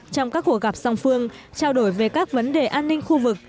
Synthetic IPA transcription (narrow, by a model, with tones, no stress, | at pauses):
t͡ɕɔ˧wŋ͡mkaː˦˥kːu˧˩əkɣa˨˩p̚za˧wŋ͡mfɨ˧əŋ | t͡ɕaː˧wɗo˧˩jve˨˩kaː˦˥k̚və˨˦nɗe˨˩ʔaː˧nːï˧ŋ̟xu˧vɨ˨˩k̚